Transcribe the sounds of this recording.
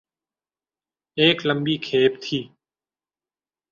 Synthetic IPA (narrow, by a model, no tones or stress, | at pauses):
eːkləmbiːkʰeːp̚t̪ʰiː